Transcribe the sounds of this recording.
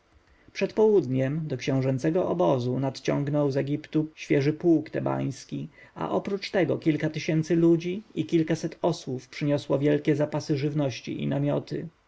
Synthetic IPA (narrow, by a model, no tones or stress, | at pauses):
pʂɛt̪pɔwud̪ɲɛmd̪ɔkɕɛ̃w̃ʐɛnt̪sɛɡɔʔɔbɔzunat̪t͡ɕɔ̰̃ŋɡnɔwzɛɡʲipt̪uɕfʲjɛʐɘpuːkt̪ɛba̰j̃skʲi | a̰ʔɔpɾut͡ʂt̪ɛɡɔkʲilkat̪ɘɕɛnt̪sɘlud͡ʑiikʲilkasɛt̪ʰɔswufpʂɘɲɔswɔvʲjɛlkʲɛzapasɘʐɘvnɔɕt͡ɕḭʔḭnamʲjɔt̪ʰɘ